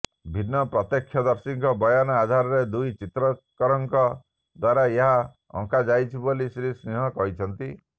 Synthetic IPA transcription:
bʱinːɔpɾɔt̪jɔkʰjɔd̪ɔɾsiŋkɔbɔjanɔad̪ʱaɾɔɾed̪ujt͡ʃit̪ɾɔkɔɾɔŋkɔ | d̪waɾaeɦa | ɔ̰̃ŋkad͡ʒajt͡ʃʰibɔlisɾisniɦɔkɔɦit͡ʃʰɔnt̪i

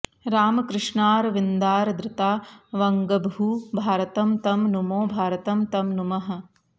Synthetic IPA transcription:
ɾaːmɐkɾɪʂɳaːɾɐʋind̪aːɾɐd̪ɾɪt̪aːʋɐŋɡɐbɦubʱaːɾɐt̪ɐmt̪ɐmnumoːbʱaːɾɐt̪ɐmt̪ɐmnumɐɦɐ̆

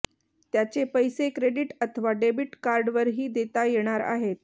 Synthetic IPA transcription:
t̪jat͡sepəjsekɾeɖiʈət̪ʰəʋaɖebiʈkaɾɖʋəɾɦiːd̪et̪ajeɽ̃aɾa̰ɦet̪̚

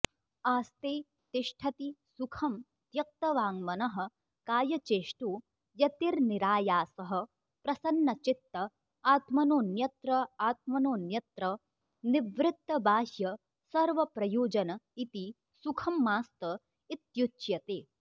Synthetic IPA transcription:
aːst̪eː | t̪iʂʈʰɐt̪isukʰɐm | t̪jɐk̚t̪ɐʋaːŋmɐnɐɦɐ̆ | kaːjɐt͡ʃeːʂʈu | jɐt̪iɾniɾaːjaːsɐɦɐ̆ | pɾɐsɐnːɐt͡ʃit̪ːɐ | aːt̪mɐnoːnjɐt̪ɾɐaːt̪̚mɐnoːnjɐt̪ɾɐ | niʋɾɪt̪ːɐbaːɦjɐ | sɐɾʋɐpɾɐjoːd͡ʒɐnɐit̪i | sukʰɐmːaːst̪ɐ | it̪jut͡ʃjɐt̪eː

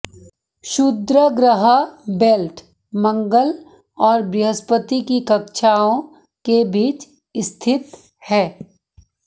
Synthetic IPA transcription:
ʃʊd̪ɾəɡɾəɦəbeːlʈ | mɐ̃ŋɡəl | ɔːɾbɪɦəspət̪ikikɐkʃʰaːõ | kebiːt͡ʃ | ɪst̪ʰɪt̪ | hɛː

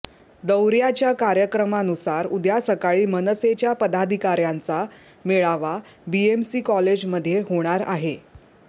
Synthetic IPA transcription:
d̪əwɾjat͡ɕjakaɾjəkɾəmanusaɾud̪ʱjasəkaɭiːmənəset͡ɕjapəd̪ad̪ʱikaɾjant͡sa | meɭaʋa | biemsiːkɔled͡ʑməd̪ʱːjeɦoɽ̃aɾaɦe

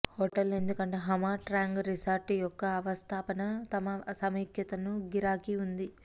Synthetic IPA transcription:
hoːʈɐle̞nd̪ukɐɳʈeːɦɐmaːʈɾaːŋɡɾisaːɾʈijɔkːɐːʋɐst̪ʰaːpɐnɐt̪ɐmɐsɐmiːkjɐt̪ɐnuɡiɾaːkiund̪i

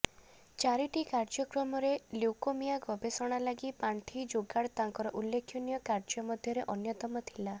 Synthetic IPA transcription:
t͡ʃaɾiʈikaɾd͡ʒɔkɾɔmɔɾeluwkomijaɡɔbesɔɽ̃alaɡipaɳʈʰid͡ʒoɡaɽt̪aŋkɔɾɔʔulːekʰːjunijɔkaɾd͡ʒɔmɔd̪ʱjɔɾeʔɔnjɔt̪ɔmɔt̪ʰi̥la

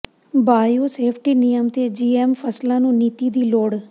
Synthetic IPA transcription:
baːjoːseːpʰʈiːnɪjəmt̪eːd͡ʒiːɛːmpʰəslãːnũːniːt̪iːd̪iːloːɽ

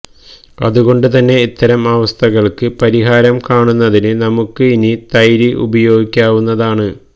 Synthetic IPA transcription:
ɐ̰ðuɣo̞ɳɖɨt̪ɐnːe̞it̪ːɐɾɐmɐʋɐst̪ʰɐɣɐɭkɨpɐɾiɦaːɾɐmkaːɳunːɐðinɨnɐmukːɨinit̪ɐjɾiʔṵbɐjo̞ːɡikʲːaːʋunːɐðaːɳɨ

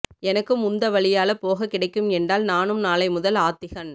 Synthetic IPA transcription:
ɛnɐkːɯmʊnd̪ɐʋɐɭɪjaːlɐpoːɣɐkːɪɽɐɪkːɯmɛndraːlnaːnɯmnaːlɐɪmʊðɐlaːt̪ːɪɣɐn

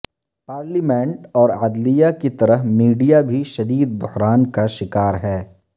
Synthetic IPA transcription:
paːɾlimẽɳʈɔːɾad̪lijakit̪ɐɾəɦmiːɖijabʱiʃɐd̪iːd̪̚bʊhɾaːnkaʃɪkaːɾɦɛː

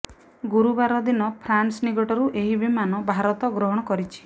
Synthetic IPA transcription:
ɡuɾubaɾɔd̪inɔpʰɾansniɡɔʈɔɾuʔeɦibimanɔbʱaɾɔt̪ɔɡɾɔɦɔɽ̃ɔkɔɾit͡ʃʰi̥

